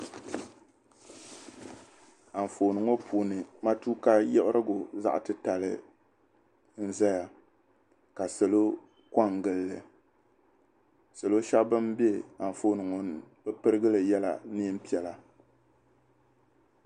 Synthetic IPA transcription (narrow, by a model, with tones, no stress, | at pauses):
a˨ɱ˨foː˨nɨ˨ŋo˦pʰuː˨nɨ˨ma˦tuː˦ka˦jɛ˦bɾʔɨ˦ɡʊ˨za̰˦ʔtɨ˦ta˨lɨ̰˨ | n̩˦za˦ja˨ | ka˨sɨ˨lo˦ | ka˦ŋ˨ɡɨ˨lːɨ˨ | sɨ˨lo˦ʃa˦bbɨ˦mbi˦e˦a˨ɱ˨fo˨nɨ˨ŋo˨n˦bɨ˦pɨ˦ɾɨ˦ɡɨ˦lɨ˨jɛ˦la̰˨ni˦m̩˦pi˦˨ɛ˨la˨